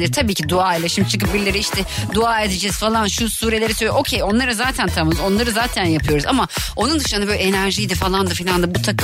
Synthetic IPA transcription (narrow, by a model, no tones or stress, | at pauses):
iɾt̪ʰabiːcʰid̪uaːelʲaʃimd̪it͡ʃʰɯkɯp̚biɾlʲeɾiiʃt̪ʰɛd̪uaːe̞d̪ed͡ʒɛz̥falˠanʃusuːɾe̞lʲe̞ɾɛsøjoʔocʰejo̞nlˠaɾɯzaːt̪ʰænt̪ʰammzo̞nlˠaɾɯzaːt̪ʰænjapʰɯjo̞ɾuza̰mao̞nund̪ɯʃɯnnabøːlʲɛenæɾʒijd̪ifalˠand̪afilʲand̪abut̪ʰak